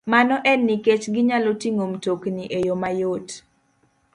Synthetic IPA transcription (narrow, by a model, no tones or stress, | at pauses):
manɔʔɛnːiket͡ʃɡɪɲalɔtiŋomtokniʔejomajot